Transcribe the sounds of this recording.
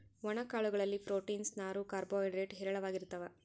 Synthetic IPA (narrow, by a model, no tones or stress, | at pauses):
ʋɐɳɐkaːɭuɡɐɭɐlːipɾoːʈiːnsnaːɾukaːɾboːjɖɾeːʈɦɛɾɐɭɐʋaːɡiɾut̪ːɐʋe